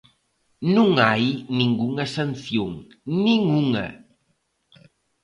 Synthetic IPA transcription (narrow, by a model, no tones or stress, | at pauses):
nuŋajniŋɡuŋasanθjuŋ | niŋuŋa̰